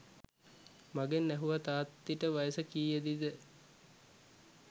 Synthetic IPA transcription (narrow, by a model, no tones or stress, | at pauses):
maɡenːæɦuʋat̪aːt̪ːiʈəʋajəsəkiːjəd̪id̪ə